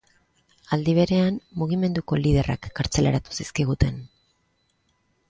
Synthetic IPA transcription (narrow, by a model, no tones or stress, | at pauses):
ald̪iβ̞e̞ɾe̞ammuɣ̞ime̞nd̪uko̞lið̞e̞ra̰kːaɾt͡se̞lḛɾat̪u̥siskiɣ̞ut̪e̞n